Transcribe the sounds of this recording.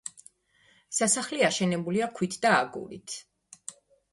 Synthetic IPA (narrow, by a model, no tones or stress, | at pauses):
sasaχliaʃɛnɛbuliakʰwit̪ʰd̪aːɡṵlḭt̪ʰ